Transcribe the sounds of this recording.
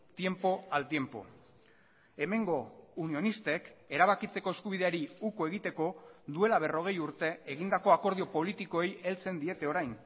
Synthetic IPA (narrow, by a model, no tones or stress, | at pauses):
t̪je̞mpo̞alt̪je̞mpo̞̰ | e̞me̞ŋɡo̞unio̞nist̪e̞ke̞ɾaβ̞akit͡se̞ko̞e̞skuβ̞ið̞e̞aɾiukoe̞ɣ̞it̪e̞ko̞d̪ue̞laβe̞ro̞ɣ̞e̞juɾt̪e̞eɣ̞ind̪ako̞ako̞ɾð̞io̞po̞lit̪iko̞e̞je̞lt͡se̞nd̪ie̞t̪e̞o̞ɾajn